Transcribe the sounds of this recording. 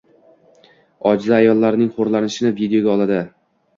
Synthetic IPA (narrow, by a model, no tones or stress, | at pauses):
ɒd͡ʒzaːjɒlˠːaɾɪnɪŋχoɾlanɪʃɪnɪvid̪eo̞ɡʲaɒlˠad̪ɪ